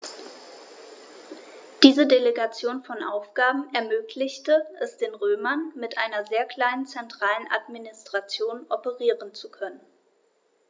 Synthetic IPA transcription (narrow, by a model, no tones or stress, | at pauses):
d̥iːzədeleɡat͡sjoːnfɔnʔa̰ʊfɡ̥aːbm̩ɛɐmøːkʰlɪçtəʔɛsd̥eːnʁøːmɐnmɪtʔaɪnɐzeːɐkl̥aɪnənt͡sɛntʁ̥aːlənʔa̰tminɪstʁ̥at͡sjoːnʔɔpəʁiːʁənt͡sukʰœnən